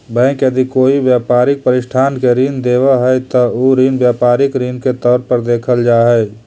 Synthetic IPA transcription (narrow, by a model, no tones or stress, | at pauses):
bɛ̃ːkjəd̪ikoːibjaːpaːɾɪk̚pəɾɪʃʈʰaːnkeɾiːnd̪eːʋaɦɛt̪ɐoɾiːnbjaːpaːɾɪkɾiːnket̪ɔːɾpəɾd̪eːkʰəld͡ʒaːɦɛː